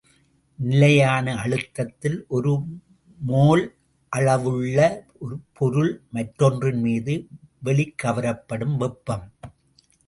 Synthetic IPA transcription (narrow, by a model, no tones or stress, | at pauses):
nɪlɐjaːnɐɐɻɯt̪ːɐt̪ːɪlʔɔɾɯ | moːl | ʔɐɭɐʋɯɭːɐ | ɔɾɯpʰɔɾɯɭmɐʈɾɔndrɯnmiːðɯʋɛɭɪkːɐʋɐɾɐpːɐɽɯmʋɛpːɐm